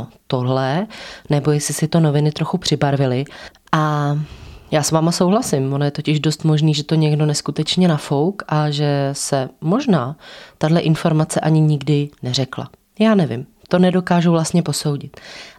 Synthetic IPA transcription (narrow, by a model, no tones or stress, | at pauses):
ot̪o̞ɦlɛnɛbo̞jɛsɪsɪt̪o̞no̞vɪnɪt̪ɾo̞xupr̝̥ɪbaɾvɪlɪʔa | jaːsvaːmaso̞wɦlasɪmonojɛt̪o̞cɪʒdo̞st̪mo̞ʒniːʒɛt̪o̞ɲɛɡdo̞nɛskut̪ɛt͡ʃɲɛnafo̞wkʔaʒɛsɛmo̞ʒnaːt̪adlɛʔɪnfo̞ɾmat͡sɛʔaɲɪɲɪɡdɪnɛr̝ɛkla̰ | jaːnɛvɪ̰m | t̪o̞nɛdo̞kaːʒuvlast̪ɲɛpo̞so̞wɟɪt̪